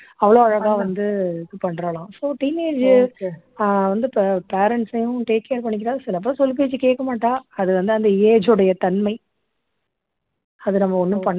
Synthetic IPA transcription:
ɐʋɐɭoːɐɻɐɣaːʋɐnd̪ɯðɯpɐɳːɾɐlãːsoːʈiːneːd͡ʒ | ʋɐnd̪ɯpeːɾɛɳʈsɐjʊ̃ʈeːkːejːɾpɐɳːɪk̬ːɪɾaːðsɪlɐp̬ːɾɐsɔlp̬eːt͡ʃːɯkeːʈkːɐmaːʈːaːɐðɯʋɐnd̪ɯɐnd̪ɐɪeːd͡ʒɯɽɐjɐt̪ɐnmɐɪ | ɐðɯnɐmːɐɔnːɯpɐɳː

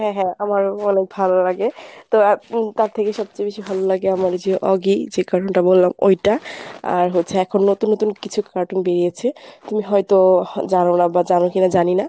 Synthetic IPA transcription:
ɦɛ̃ɦɛ̃amaɹɔnek̚bʱalɔlaɡɛt̪ɔt̪aɹt̪ʰekesɔb̚t͡ʃebisibʱalɔlaɡɛamaɹziɔʔɔɡizekaɹɔntabolːamo̰jtaa̰ɹɦosʰɛːkʰɔnːot̪unːot̪unkit͡ʃʰukaɹʈunbeɹiat͡ʃʰɛt̪umiɦɔjtɔzanɔnabazanɔkinazanina

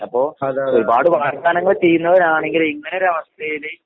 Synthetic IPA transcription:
ɐpːo̞ːoɾubaːɽɨʋaːrt̪aːnɐŋːɐɭt͡ɕejːunːɐʋɐɾaːɳe̞ŋɡiliŋːɐneɾɐʋɐst̪ɐjile

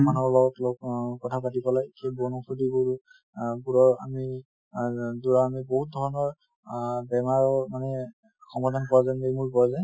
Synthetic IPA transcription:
manɔɹbaɡɔtlɔk̚kɔtʰapatipɔlajitiabɔnɔpʰudiɡuɹ | ɡuɹɔɹa̰mi | duɹaːmiboɦut̚dʱɔɹɔnɔɹ | bɛmaɹɔmanɛ | xɔmpɔdʱankɔɹazajmejmuɹpɔɹzaj

